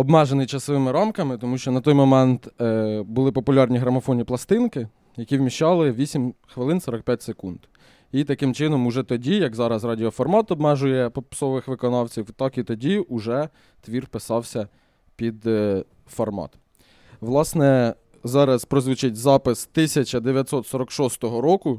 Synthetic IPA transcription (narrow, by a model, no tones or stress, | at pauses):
ɔbmɛʒenɪjt͡ʃɐsɔʋɪmɪɾamkɐmɪt̪ɔmuʃt͡ʃɔnɐt̪ɔjmɔmɛnt̪bʊlˠɪpɔpʊlʲɑrnʲiɦɾɐmɐfɔnʲiplˠɐst̪ɪnkɪ | jɐkʲiwmʲiʃt͡ʃɑlˠɪʋʲisʲimʲxʋelˠɪnsɔɾɐk̚pʲjatʲsekund̪ | it̪ɐkɪmt͡ʃɪnɔmʊʒɛt̪ɔdʲijɐkzɑɾɐzrɑdʲiɔfɔrmɑt̪ɔbmɛʒʊjɛpɔpsɔʋɪxʋɪkɔnɑwt͡sʲiwt̪ɑkit̪ɔdʲiʊʒɛ | t̪ʋʲirpɪsɑwsʲɐ | pʲid̪ | fɔrmɑ̰t̪ | ʋlˠɑsnɛ | zɑɾɐspɾɔzʋɪt͡ʃɪtʲzɑpɪst̪ɪsʲɐt͡ʃɐd̪eʋʲjɐt̪ʲsɔt̪sɔɾɔkʃɔst̪ɔɦɔɾɔkʊ